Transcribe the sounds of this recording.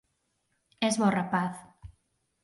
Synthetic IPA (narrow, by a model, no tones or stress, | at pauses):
ɛzβɔrapaθ